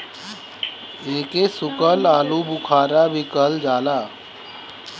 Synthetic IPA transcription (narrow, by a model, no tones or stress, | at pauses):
eːkesʊkəlaːlubʊkʰaːɾabʱikəld͡ʒaːlaː